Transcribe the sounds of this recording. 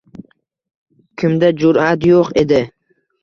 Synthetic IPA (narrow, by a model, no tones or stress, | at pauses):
kʰʲɪmd̪ad͡ʒʊɾat̪joqed̪ɪ